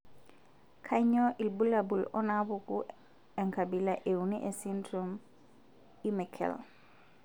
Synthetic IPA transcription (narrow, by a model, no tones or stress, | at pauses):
kʰaɲɔʔilbulabulɔnabuku | eŋkabilaʔewuniʔesindɾom | imekʰɛ̰l